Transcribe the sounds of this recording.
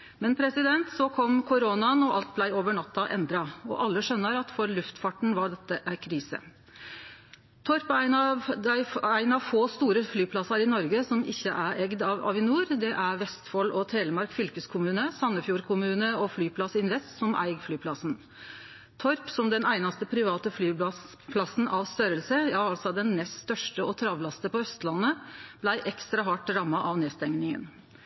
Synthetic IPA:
mɛnpʰɾɛsɪd̪ɛnt̪sɔkʰɔmkʰʊɾonɑnɔɑlt̪̚blæɪoːʋəɳɑt̪ːɑʔɛ̰nd̪ɾɑɔ̰ʔɑlːəʂœnːəɾɑt̪fɔɾlʉft̪fɑʈɳ̩ʋɑɖɛt̪ːəʔæɾkʰɾiːsə̰ | t̪ʰɔɾpæɪnɑd̪æɪæɪnɑʋfoːst̪uːɾəflyːpʰlɑsɑɾɪnɔɾɡəsɔmɪ̰çːəʔæɾɛɡd̪ɑʋɑ̰ːʋɪnuːɾd̪ɛʔæɾʋɛst̪fɔlɔt̪ʰeːləmɑɾkfʏlkəskʰʊmʉːnəsɑnːəfjuːɾkʰʊmʉːnəɔflyːpʰlɑsɪnʋɛst̪sɔmʔæ̰ɪɡflyːpʰlɑsn | t̪ʰɔɾpsɔmd̪ɛnæɪnɑst̪əpʰɾɪʋɑːt̪əflyː | pʰlɑsn̩ʔɑʋst̪œɾəlsəjɑɑlsɔd̪ɛnːɛst̪st̪œʂʈəɔt̪ʰɾɑʋlɑst̪əpɔœst̪lɑnːəb̥læɪʔɛkst̪ɾɑɦɑʈːɾɑmːɑʔɑʋneːst̪ɛŋnɪŋə̰n

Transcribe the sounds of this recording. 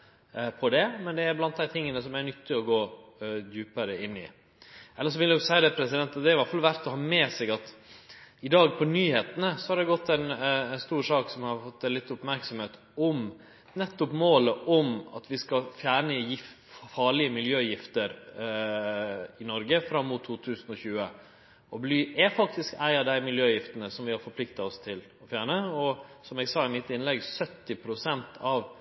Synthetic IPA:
pʰɔd̪ɛmɛnd̪ɛæɾblɑnt̪̚d̪æɪt̪ʰɪŋːənəsɔmæɾnʏt̪ːɪɔɡoːd̪jʉːpəɾəɪnːɪ̰ | ɛlːəʂ̬ɔʋɪld̪æjʊsæɪəd̪ɛpʰɾɛsɪd̪ɛnt̪ɑt̪̚d̪ɛæɾʋɑfɑlʋæɾt̪ɔɦɑːmɛːsɛɡɑt̪ | ɪd̪ɑːɡpʰɔnyːheːt̪ənəsɔhɑɾd̪ɛɡɔt̪ːɛɪnɛnst̪uːɾʂɑːksɔmhɑɾfɔt̪ːɛnlɪt̪ːʊpmæɾksɔmheːt̪ | ɔm | nɛt̪ːɔpmoːləʔɔmɑ̰t̪ʋɪskɑfjæːɳəjɪ | fɑːɭɪəmɪljøːjɪft̪əɾ | ɪnɔɾɡəfɾɑmːʊt̪ʰːuːt̪ʰʉːsən̩ɔçʉːə | ɔblyːɛfɑk̚t̪ɪskæɪɑd̪æɪmɪljøːjɪft̪ənəsɔmʋɪhɑɾfɔɾpʰlɪkt̪ɑɔst̪ʰɪl | ɔfjæːɳəɔsɔmɛɡsɑːɪmɪt̪ːɪnlɛɡsœt̪ːɪpʰɾʊsɛnt̪ʰɑʋ

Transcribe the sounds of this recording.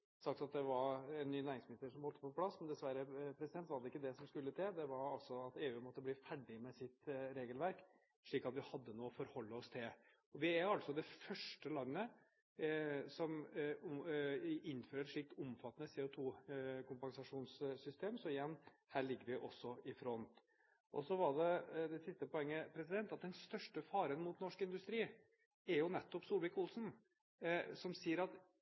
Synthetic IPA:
sɑkt̪ɑt̪̚d̪ɛʋɑɾɛnːyːnæːɾɪŋsmɪnɪst̪əʂɔmbɔlt̪ːəpɔpʰlɑsmɛnd̪ɛsʋæɾəpʰɾɛsɪd̪ɛnt̪ʋɑɾɖ̪ɛɪkːəd̪ɛsɔmskʉlːət̪ʰɛd̪ɛʋɑɾɑlsɔɑt̪eːʉːmɔt̪ːəbliːfæɖɪmɛsɪt̪ɾeːɡəlʋæɾk | ʂɭiːkɑt̪ʋɪhɑd̪ːənuːɔfɔɾhɔlːəɔst̪ʰɪl | ɔʋɪæɑlsɔd̪ɛfœʂʈəlɑnːə | sɔm | ɪnːføːɾəʂɭɪk̚t̪ʊmfɑt̪ːnəseːʊt̪ʰuːkʊmpɑŋsɑʂuːnssʏst̪ʰeːmsɔɪjɛnːhæːɭɪɡːəɾʋɪʔɔsːɔɪfɾɔnt̪ | ʔɔ̰sɔʋɑɖɛd̪ɛsɪst̪əpɔɛŋːəpʰɾɛsɪd̪ɛnt̪ɑt̪̚d̪ɛnst̪œʂʈəfɑːɾənmuːt̪nɔʂkɪnd̪ʉst̪ɾiː | ɛɾjʊnɛt̪ːɔpsuːlʋɛkʊlsn | sɔmsiːəɾɑt̪

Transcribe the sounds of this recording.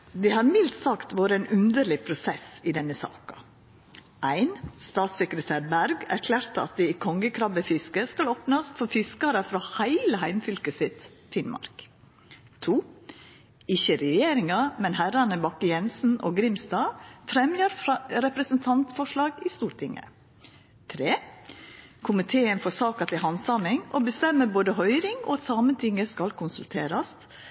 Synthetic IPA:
d̪ɛhɑɾmɪlt̪sɑkt̪ʋoːɾəɛnʔʉnd̪əɭɪpʰɾʊsɛsɪd̪ɛnːəsɑ̰ːkɑ | ʔæɪnst̪ɑːt̪sɛkɾət̪ʰæːɾbæɾɡæ̰ɾkʰlæːɾt̪əɑ̰t̪̚d̪ɛiːkʰɔŋɡəkʰɾɑʋəfɪskəskɑloːpnɑsfɔɾfɪskɑɾəfɾɑːhæɪləhæɪmfʏlkəsɪt̪ | fɪnmɑ̰ɾk | t̪ʰuː | ɪçəɾɛjeːɾɪŋɑmɛnhæɾɑnəbɑkːəjɛnsn̩ʔo̰ːɡɾɪmst̪ɑːfɾɛmjəɾɾɛpɾɛsənt̪ʰɑnt̪fɔʂlɑːɡɪst̪uːɾʈ̪ɪŋə̰ | t̪ʰɾeː | kʰʊmɪt̪ʰeːənfɔsɑːkɑt̪ʰɪlhɑnsɑmɪŋʔoːbəst̪ɛmːəboːd̪əɦœʏɾɪŋo̰ːɑt̪sɑːmənt̪ʰɪŋːəskɑlkʰʊnsʉlt̪ʰeːɾɑst̪

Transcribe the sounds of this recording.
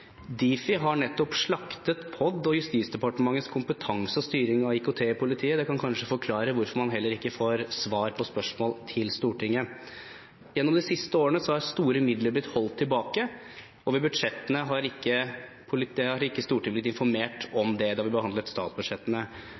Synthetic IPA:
d̪iːfɪɦɑɳɛt̪ːɔpʂɭɑkt̪ət̪pʰɔd̪ːɔjʉst̪iːt̪sd̪ɛpɑʈəmɑŋːət̪skʰʊmpət̪ʰɑŋsəɔst̪yːɾɪŋɑɪkʊt̪ʰeːpʰʊlɪt̪ʰiːəd̪ɛkɑnkʰɑnʂəfɔɾkʰlɑːɾəʋʊɾfɔɾmɑnɦɛlːəɾɪkːəfoːɾsʋɑːɾpʰɔspœʂmoːlt̪ʰɪlst̪uːʈɪŋːə | jɛnːɔmd̪ɪsɪst̪əoːɾəɳəsɔhɑɾst̪uːɾəmɪd̪ləb̪ɪt̪hɔlt̪ʰːɪlbɑːkə | ɔʋɛbʉd̪ʂɛt̪ːənəɦɑɾɪkːə | pʰʊlɪɛɑɾɪkːəst̪uːʈɪŋblɪt̪ɪnfɔɾmeːʈɔmd̪ɛd̪ɛhɑʋɪbəhɑnd̪lət̪st̪ɑ̰ːt̪sbʉd̪ʂɛt̪ːənə

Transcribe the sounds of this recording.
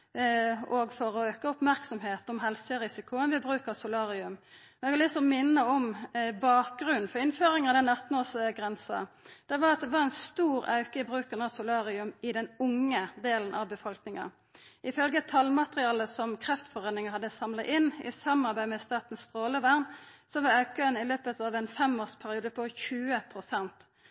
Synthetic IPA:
ɔɡfɔɾɔøːkəʊpmæʁksɔmheːt̪ɔmɦɛlsəɾɪsɪkʰʊənʋɪbʁʉːkəsʊlɑːɾɪʉm | ɛɡhɑɾlɪst̪ɔmɪnːəɔmbɑːk̚ɡʁʉnnfɔɾɪnføːɾɪŋɑʋd̪ɛnɑt̪ːn̩oːsɡʁɛnsɑ̰ | d̪̥ɛʋɑɾɑt̪̚d̪ɛʋɑɾɛnst̪uːɾɑ̰ʉkəɪbʁʉːkənɑsʊlɑːʁɪʉmɪd̪ɛnʊŋəd̪eːlən̩ʔɑ̰ʋbəfɔlknɪŋɑ̰ | ɪfœlɡət̪ʰɑlmɑt̪əʁɪɑːləsɔmkʰʁɛft̪fɔʁeːnɪŋəhɑd̪ːəsɑmlɑʔɪnɪ̰sɑmɑɾbæɪmɛst̪ɑːt̪n̩st̪ʁoːləʋæʁnsɔʋɑɑʉkəənɪløːpət̪ɑːʋɛnfɛmoːspʰæɾɪuːd̪əpʰɔçʉːəpʰʁʊsɛnt̪

